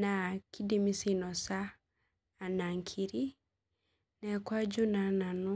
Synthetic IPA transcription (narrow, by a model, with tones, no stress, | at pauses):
na˨kʰi˦de˦mi˦si˦nɔ˨saː˦˨ | na˨ŋkʰi˨ɾi˦ | nɛ˨kwa˦d͡ʒu˦na˨na˨nu˦